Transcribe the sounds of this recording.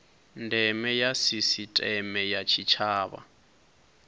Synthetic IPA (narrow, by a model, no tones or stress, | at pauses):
ndʱɛmɛjasisitʼɛmɛjat͡ʃʰit͡ʃʰaːβa̰